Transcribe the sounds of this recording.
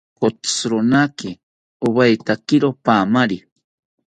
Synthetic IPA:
kot͡sɾonaki | oβajt̪akiɾopaːmaɾi

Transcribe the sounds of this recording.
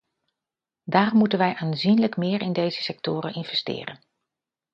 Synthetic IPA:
daːrɔmːutənʋɛjʔaːnzinləkmɪːɹɪndejzəsɛk̚tʊːɾə̰nɪnvɛstɪ̰ːrə̰n

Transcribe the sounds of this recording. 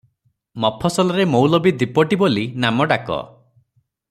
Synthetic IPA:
mɔpʰɔsɔlɔɾemowlɔbid̪ipɔʈibolinamɔɖakɔ̰

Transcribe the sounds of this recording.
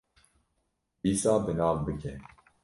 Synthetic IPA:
iːsɑːbɨnɑːvbɨkʰɛ

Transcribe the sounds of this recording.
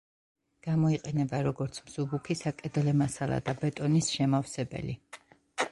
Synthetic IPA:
ɡ̥amɔiqʼɛnɛbaɾɔɡɔɾt̪sʰmz̥ubukʰisakʼɛd̪lɛmasalˠa̰d̪abɛt̪ʼɔnisʃɛmafsɛbɛ̰lḭ

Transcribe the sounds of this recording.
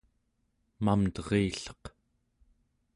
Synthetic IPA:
mamt̪ʌʁeːɬʌ̥q

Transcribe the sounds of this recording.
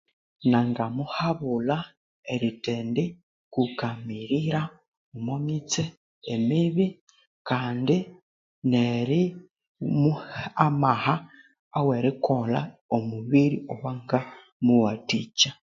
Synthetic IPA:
naŋɡamuhaβula | eɾitendi | kukamiɾiɾa | umomit͡se | emiβi | kaːndi | neɾi | muamahaː | weɾikola̰omuβiɾioβaŋɡa | muwatit͡ʃa

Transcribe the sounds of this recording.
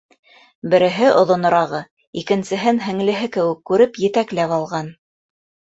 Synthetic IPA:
bɘ̆ɾɘ̆ɦɘʔŏðŏn̆ɾɑʁɤ | ikɘ̆nsɘ̆ɦɘnɦɘ̆ŋlɘ̆ɦɘkɘ̆wɘ̆kːʉɾɘpjɘ̆t̪æklæpɑlˠʁɑn

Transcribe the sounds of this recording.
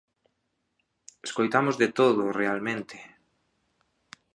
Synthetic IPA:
eskojt̪amʊzðet̪oðʊrealmẽnt̪ɪ̥

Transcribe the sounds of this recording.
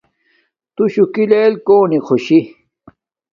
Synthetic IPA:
t̪ʊɕʊkileːlkoːnikʰʊɕi

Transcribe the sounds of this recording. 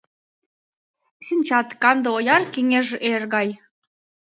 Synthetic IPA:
sʲinʲt͡ɕɑt̪kɑnd̪oojɑrkeŋeʒʔerɣɑj

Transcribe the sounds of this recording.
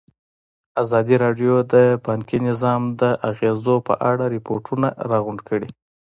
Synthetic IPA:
azɑd̪iɾɑɖjod̪əbɑŋkinɪzɑmd̪əʔaɣezopə̰ʔaɽaɾɪpoʈʰuna̰ɾɑɣʊɳɖkəɽi

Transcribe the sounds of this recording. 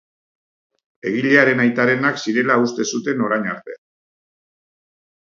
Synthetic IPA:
e̞ɣ̞iʎe̞aɾe̞najt̪aɾe̞naksiɾe̞laust̪e̞sut̪e̞no̞ɾajɲaɾt̪e̞̰

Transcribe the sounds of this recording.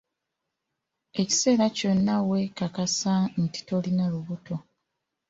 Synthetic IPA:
e̞ci̥se̞ːɾaco̞nːawekakasan̩ti̥to̞linaluβuto̞

